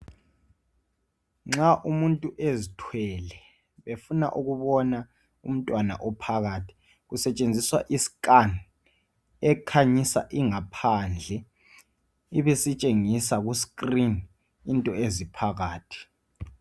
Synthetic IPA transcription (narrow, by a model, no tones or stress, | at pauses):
ŋ͡ǁaʔumuntʼuʔezitʰwɛlɛ | βefuna̰ʔuɣuβɔna | um̩tʼwana̰ʔɔpʰaɣaːtʰi̥ | ɣusɛt͡ʃʼend͡zʱiswa̰ʔisi̥kʼan | ɛkʰaɲisa̰ʔiŋapʰand͡ɮʱɛ | iβesit͡ʃʼeŋisaɣuskʼrin | intʼɔezipʰaɣaːtʰi̥